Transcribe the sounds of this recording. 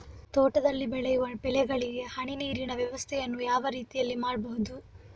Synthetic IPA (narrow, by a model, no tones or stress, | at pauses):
t̪oːʈɐd̪ɐlːibɛɭɛjuʋɐpɛlɛɡɐɭiɡehɐɳiniːɾinɐʋjɐʋɐst̪ʰɛjɐnːujaːʋɐɾiːt̪ijɐlːimaːɽbɐɦud̪u